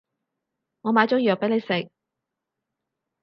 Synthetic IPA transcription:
ŋɔː˨˧maː˨˧jt͡sɔː˨˥ŋji˨jœː˨pe˨˥jne˨˧jsɪ˨k̚

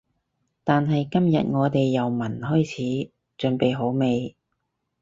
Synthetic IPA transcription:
t̪aː˨nɦɐ˨jkɐ˥mjɐ̰˨t̚ŋɔː˨˧t̪e˨jːɐ˨wmɐ˨˩nhɔː˥jt͡sʰiː˨˥ | t͡ʃɵ˨˧ŋpe˨jɦo˨˥wme˨˧j

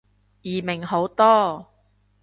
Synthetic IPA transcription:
jiː˨˩mɪ˨˩ŋho˨˥wt̪ɔː˥

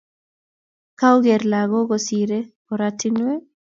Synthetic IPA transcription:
ka˦wɡe˨ɾlaɡɔ˦ɡɔsiɾe˦ | ɔ˨ɾatinwe˦

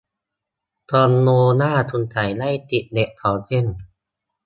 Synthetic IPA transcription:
t̪ɔː˧nːoː˧naː˥˩t̪ʰu˧nt͡ɕa˨˩jla˥˩jt̪i˨˩t̪̚ne˨˩ʔkʰːa˨˩˦wt͡ɕʰe˥˩˨n

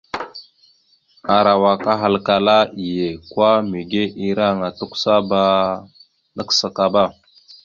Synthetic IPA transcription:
a˨ɾa˨wa˨ka˦ɦa˨lka˨la˦i˨je˨kwa˦mi˨ɡe˦ʔi˦ɾa˦˨ŋa˨tu˦ksa˦ba˦ | nə˦ksə˨ka˨ba˦˨

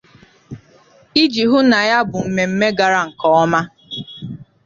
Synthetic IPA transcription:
i˦d͡ʒi˨ɦʊ˦na˨ja˦bʊ˨m̩˨me˨m̩˦me˦ɡa˨ɾa˦ŋ̩˨kɔ˨˦ɔ˦ma˦

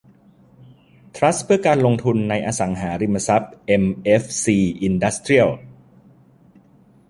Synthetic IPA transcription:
t̪ʰɾa˦˥spʰɯ˥ɐkaː˧nlo˧ŋt̪ʰu˧nːa˧jʔaː˧sa˩˦ŋɦaː˩˦ɾi˧ma˧sa˦˥p̚ʔe˧mʔe˦˥fsiː˧ʔi˧nda˦˥st̪ɾi˥˩əw

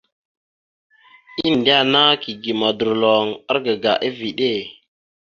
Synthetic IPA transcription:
i˦n˨ndi˦a˦na˦ki˨ɡi˨ma˨du˨ɾlo˨ŋa˦ɾɡə˨ɡa˨ʔi˦vi˨ɗe˦˨

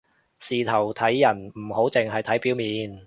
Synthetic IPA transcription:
siː˨˧t̪ʰɐ˨˩wt̪ʰɐ˨˥jːɐ˨˩nm̩˨˩ho˨˥wt͡sɪ˨ŋɦɐ˨jt̪ʰɐ˨˥jpi˨˥wmiː˨˧n

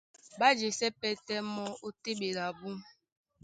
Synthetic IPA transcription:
ba˦d͡ʒe˨sɛ˦pɛ˦tɛ˦mɔ˦o˦te˦ɓe˨ɾa˨bu˦

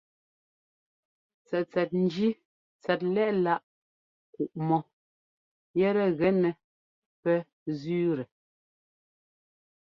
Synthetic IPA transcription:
t͡sɛ˨t͡sɛ˨t̚n̩˨d͡ʒi˦ | t͡sɛ˨t̬̚lɛ˦ʔla˦˨ʔ | ku˨ʔmɔ˨ | jɛ˦ɾɛ˦ɣɛ˨nɛ˨ | pɛ˦ | zʉː˦ɾɛ˨

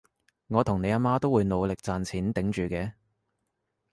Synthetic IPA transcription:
ŋɔː˨˧t̪ʰʊ˨˩ŋne˨˧jaː˧maː˥t̪o˥wuː˨˧jno˨˧wlɪ˨k̚t͡saː˨nt͡sʰiː˨˥nt̪ɪ˨˥ŋt͡ʃyː˨kɛː˧

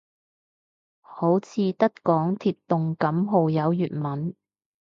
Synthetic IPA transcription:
ho˨˥wt͡sʰiː˨˧t̪ɐ˥t̚kɔː˨˥ŋt̪ʰiː˨t̚t̪ʊ˨ŋkɐ˨˥mɦo˨wjɐ˨˧wjyː˨t̚mɐ˨n

